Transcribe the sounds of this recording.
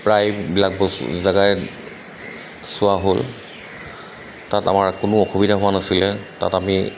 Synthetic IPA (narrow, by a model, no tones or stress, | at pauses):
pɹajbilak̚bɔ̰zaɡaj | sʊwaɦol | tata̰maɹkʊnʊɔxubidʱaɦʊwanasilɛta̰tami